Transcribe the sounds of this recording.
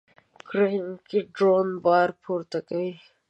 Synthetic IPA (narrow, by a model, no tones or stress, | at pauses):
kɾeɪnkiɖɾoːnbɑːɾpʰuːɾt̪akɐi